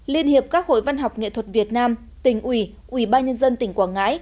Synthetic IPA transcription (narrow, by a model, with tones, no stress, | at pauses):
li˧ənhi˨˩əp̚kaː˦˥k̚ho̰˧˨jva˧nɦa˨˩wk͡p̚ŋḛ˧˨t̪ʰwə˨˩t̚vi˨˩ət̚naː˧m | t̪ï˨˩ŋ̟ʔwi˧˩ | ʔwi˧˩ɓaː˧nɲə˧nzə˧nt̪ï˧˩ŋ̟kwaː˧˩nŋa̰ː˧˥j